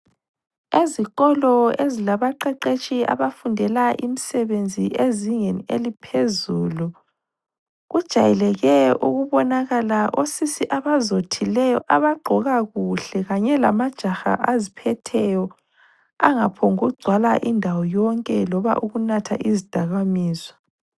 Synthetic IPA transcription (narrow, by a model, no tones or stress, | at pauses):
ezikɔlɔezilaβaǃɛǃet͡ʃʼia̰βafundʱɛlaʔimisɛβend͡zʱiʔeziŋenielipʰezuːlu | ɣud̥ʒ̥ʱajɛlɛɣɛuɣuβɔnaɣalaʔosisiʔaβazotʰilɛjɔ̰ʔaβaɡ͡ǃʱɔɣaɣuɬɛɣaɲɛla̰mad̥ʒ̥ʱaxa̰ʔazipʰɛtʰɛjɔ | a̰ŋapʰɔŋuɣuɡ͡ǀʱwalaʔindʱawɔjɔŋkʼɛlɔβa̰ʔuɣunatʰa̰ʔizid̥ʱaɣamiːzɔ